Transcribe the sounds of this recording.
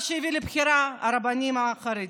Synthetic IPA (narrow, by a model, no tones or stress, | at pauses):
ʃejivilebxiɾaa̰ɾabanimaːxaɾed